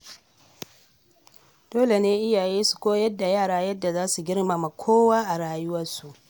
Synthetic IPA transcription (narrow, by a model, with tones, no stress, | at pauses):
d̥oː˦le˨neː˦ʔɪ˦jaː˨jeː˦su̥˨kʷoː˦jɐ˦dːa˨jaː˦˨ɽaː˦jɐ˦dːa˨zaː˦su˨ɡʲɪ˦rma˨ma˨kʷʰoː˦waː˦ʔa˨ɽaː˦jʊ˦wɐ˦rsu˨ʔ